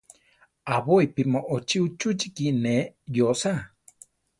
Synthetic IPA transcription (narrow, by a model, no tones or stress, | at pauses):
aβojpimoʔot͡ʃiut͡ʃut͡ʃikinejosa